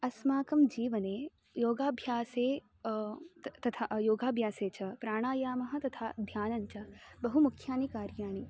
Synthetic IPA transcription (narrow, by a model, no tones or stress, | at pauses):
ɐsmaːkɐmd͡ʒiːʋɐneː | joːɡaːbʱjaːseː | t̪ɐt̪ʰajoːɡaːbʱjaːseːt͡ʃɐpɾaːɳ̃aːjaːmɐɦɐ̆t̪ɐt̪ʰaːd̪ʱjaːnɐɲt͡ʃɐbɐɦumukʰjaːnikaːɾjaːɳ̃i